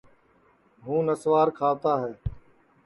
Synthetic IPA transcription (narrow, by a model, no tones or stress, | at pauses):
ɦũːnəsʋaːɾkʰaːt̪aːɦɛː